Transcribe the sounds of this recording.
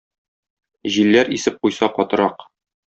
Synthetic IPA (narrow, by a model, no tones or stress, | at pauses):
ʑilːæɾisɘp̚qujsɑqɒt̪ɤ̆ɾɑq